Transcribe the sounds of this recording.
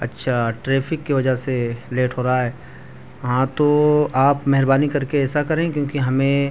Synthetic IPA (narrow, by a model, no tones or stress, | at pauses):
ɐ̰tːʃʰaʈɾeːfʰɪkːeʋɐd͡ʒəɦseleːʈɦoːɾaɦaɦɛː | ʋɐɦãt̪oaːpmɛɦɪɾbaːnikɐɾkeɛːsakɐɾẽkjõːkiɦɐmẽ